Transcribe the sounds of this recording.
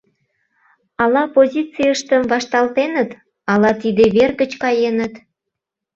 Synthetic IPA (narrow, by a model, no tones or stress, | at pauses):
ɑlɑpozʲit͡sijəʃt̪əmvɑʃt̪ɑlt̪enət̪ | ɑlɑt̪id̪eβerɣət͡ɕkɑjenət̪